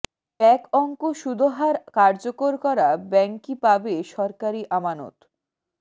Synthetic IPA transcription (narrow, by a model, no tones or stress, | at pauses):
ɛkɔŋkoʃud̪ʱoɦaɾkaɾd͡ʑokoɾkɔɾabɛŋkipabeʃɔɾkaɾiʔamano̰t̪